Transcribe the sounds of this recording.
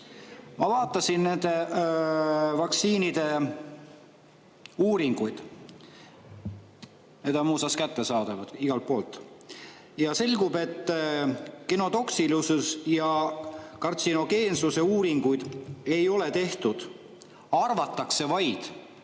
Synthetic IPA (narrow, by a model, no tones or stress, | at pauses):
mɑvɑːt̪ːˑɑsinne̞nd̪̥e̞ | vɑk̪siːnid̪̥e̞ | uːɾiŋɡ̥ujd̪̥ | ned̪̥ɑmuːsɑskæt̪ːe̞sɑːd̪̥ɑvɑd̪̥iɡ̥ɑlt̪̚po̞ːlt̪ˑ | jɑse̞lʲɡube̞t̪ˑː | ke̞no̞t̪o̞ksilususjɑkɑrt̪sino̞ɡ̥e̞ːnsuse̞uːɾiŋɡ̥ujd̪̥e̞jo̞le̞t̪e̞ht̪ud̪̥ | ɑrvɑt̪ːˑɑkse̞vɑjd̪̥